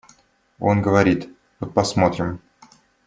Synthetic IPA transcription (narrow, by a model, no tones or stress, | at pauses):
o̞̰nɡəvɐɾʲit̪ | vot̪pɐsmo̞t̪ɾʲɪm